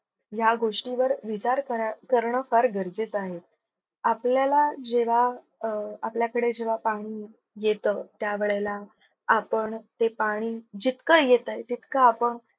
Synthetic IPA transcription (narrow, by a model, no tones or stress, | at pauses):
jaɡoʂʈiʋəɾʋit͡ɕaɾəkəɾɳəfəɾɡəɾd͡zet͡saɦet̪̚ | apljalad͡ʑeʋaː | pljakəɽed͡ʑeʋapaɽ̃iː | jet̪ət̪jaʋeɭelaː | pəɳt̪epaɽ̃iːd͡ʑit̪kəjet̪əjt̪it̪kəapəɳ